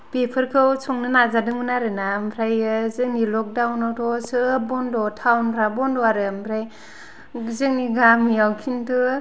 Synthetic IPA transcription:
pepʰɯɾkʰɯwt͡ʃʰɔŋnɯnazadɯŋɯnaɾɯnampʰɾajzɯŋnilɔk̚dawnawtɔsɯbɔndɔtʰawnpʰɾabɔndɔaɾɯmpʰɾaj | zɯŋniɡamijawkʰintɯ

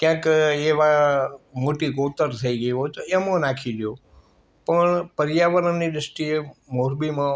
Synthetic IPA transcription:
kjãːkeʋamoːʈikoːt̪əɾt̪ʰəiɡəiɦot̪oemõnaːkʰiɗjo | pəɳpəɾjaʋəɾənːiɗəsʈiemoɾbimã

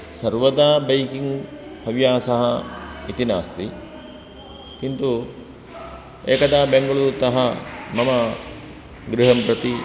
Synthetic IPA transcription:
sɐɾʋɐd̪aːbɐjkiŋɡpɐʋjaːsɐɦɐit̪inaːst̪i | kint̪u | eːkɐd̪aːbeŋɡɐɭuɾt̪ɐɦɐmɐmɐ | ɡɾiɦɐmpɾɐt̪i

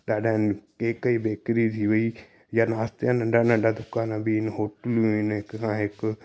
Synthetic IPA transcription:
ɗaːɖankekəiːbeːkɾiːt̪ʰiːʋəi | jaːnaːst̪jãːnəɳɖaːnaɖaːd̪ʊkaːnãːbinɦoːʈluinkãːɪk

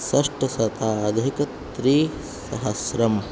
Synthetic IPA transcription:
sɐʂʈɐsɐt̪aːɐd̪ʱikɐt̪ɾiː | sɐɦɐsɾɐm

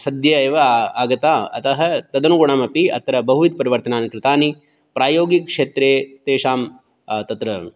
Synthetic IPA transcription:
sɐd̪jɐeːʋɐaːɡɐt̪aːɐ̰t̪ɐɦɐt̪ɐd̪ɐnuɡoɳaːmɐpiɐ̰t̪ɐɾɐbɐɦuʋit̪̚pɐɾiʋɐɾt̪ɐnaːnkɾɪt̪aːni | pɾaːjoːɡikʂeːt̪ɾeːt̪eːʃaːm | t̪ɐt̪ɾɐ

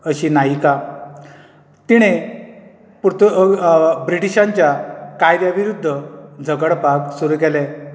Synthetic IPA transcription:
əɕiːnaɦika | t̪iɽ̃e | pt̪ | bɾiʈiɕãɲt͡ɕjakajd̪jaʋiɾud̪ʱːəd͡zʱəɡəɽpaksuɾukɛlɛ

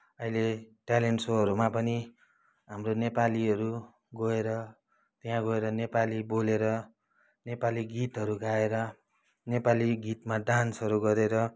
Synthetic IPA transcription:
ʌɦileʈaleɳʈsoɦʌɾumapʌni | ɦamronepaliɦʌɾu | ɡʌeɾʌ | t̪jɦãɡʌeɾʌnepaliboleɾʌ | nepaliɡit̪ɦʌɾukaeɾʌ | nepaliɡit̪maɖansʌɾuɡʌɾeɾʌ

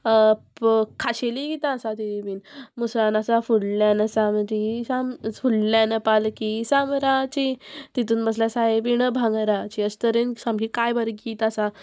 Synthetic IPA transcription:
kʰaɕeliɡit̪ãːsat̪ibiːnmuslanasafuɽlanəsaməd͡ʑisamfullanəpalkisamɾat͡ɕit̪it̪uːnbəsljasaebiɳəbʱãŋɡɾat͡ɕiəst̪əɾensãmkikajbəɾɡiːt̪asa

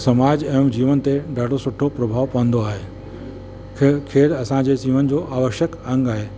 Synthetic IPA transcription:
sɐmaːd͡ʑɛ̃ːd͡ʑiːʋənɪ̆t̪eɖaːɖʱosʊʈʰopɾɐbʱaːʋpɐʋə̃n̆d̪oaːɦeː | kʰeːɾɐsãd͡ʑesiːʋənɪ̆d͡ʑoːʔaːʋəʃjəkɐ̃ŋɡaːɦeː

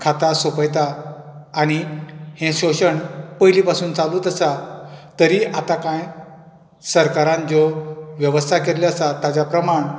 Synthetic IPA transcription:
kʰat̪asopəjt̪aː | ɽ̃ihẽɕoɕəɳpəjliːpasuːnt͡saluːt̪əsat̪əɾiːʔat̪akãj | səɾkaɾãnd͡zɔʋjəʋəst̪ʰakeɾlaəsat̪ad͡ʑapɾəmaɳ

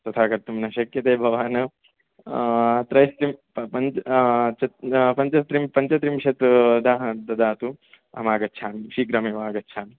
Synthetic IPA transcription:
t̪ɐt̪ʰaːkɐɾt̪umnɐʃɐkjɐt̪eːbʱɐʋaːnɐ | t̪ɾɐjst̪ɾim | pɐ | t͡ʃɐt̪pɐɲt͡ʃɐst̪ɾimpɐɲt͡ʃɐt̪ɾimʃɐt̪d̪aːɦɐd̪ɐd̪aːt̪u | ɐmaːɡɐtːt͡ʃʰaːmʃiːɡɾɐmeːʋaːɡɐtːt͡ʃʰaːn

